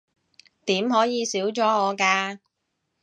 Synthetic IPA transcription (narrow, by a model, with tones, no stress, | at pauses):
t̪iː˨˥mɦɔː˨˥jiː˨˧siː˨˥wt͡sɔː˨˥ɔː˨˧kaː˧